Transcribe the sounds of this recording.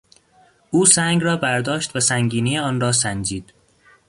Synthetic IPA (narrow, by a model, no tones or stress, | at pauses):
ʔuːsæŋɡrɒːbæɾd̪ɒːʃt̪væsæŋɡiːniːjeɒːnrɒːsænd͡ʒiːd̪̥